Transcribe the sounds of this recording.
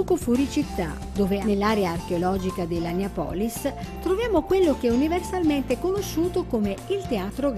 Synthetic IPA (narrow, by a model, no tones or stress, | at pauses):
ɔkofuɾit͡ʃit̪ːa̰ | d̪oːvenelːaːɾeaːrk̟eolɔːd͡ʒikad̪elːaneapɔ̰ːlist̪ɾovjaːmokwelːok̟ɛuniversalmɛnt̪ekonoʃːuːt̪okomeilt̪eaːt̪ɾoɡ